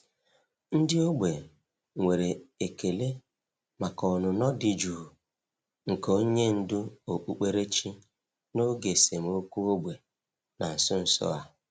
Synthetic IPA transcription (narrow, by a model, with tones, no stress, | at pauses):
n̩˦dɪ˦o˦ɡ͡be˨ | ŋʷe˨ɾe˨e˨ke˨le˦ | ma˨kɔ˨nʊ˨nɔ˦dɪ˨d͡ʒu˨ | ŋ̩˨ko˦ɲe˦n̩˦dʊ˦o˨k͡pu˨k͡pe˦ɾe˦t͡ʃi˦ | no˦ɡe˨se˨mo˦kʷu˦o˦ɡ͡bʷe˨ | na˨n̩˨sʊ˦n̩˨sɔ̰˦a˦